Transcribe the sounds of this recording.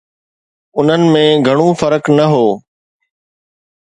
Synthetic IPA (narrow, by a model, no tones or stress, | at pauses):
ʊn̤ənɪ̆mẽːɡʱɐɽ̃uːfəɾəknɐɦoː